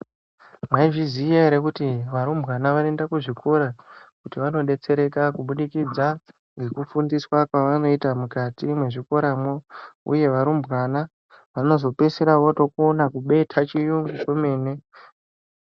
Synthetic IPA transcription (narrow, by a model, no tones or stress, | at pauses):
mwaiʐizijeɾekutiʋaɾumbɣanaʋaendakuʐikʰo̞ɾakutiʋano̞ɗe̞t͡se̞ɾe̞kakuɓuɗikid͡za | ŋɡe̞kufundiswakwaʋano̞itamukatimwe̞ʐiko̞ɾamoṵje̞ʋaɾumbɣwana | ʋano̞zo̞pe̞seɾaʋoto̞konakuɓe̞tʰat͡ʃijuŋɡukwume̞ːne̞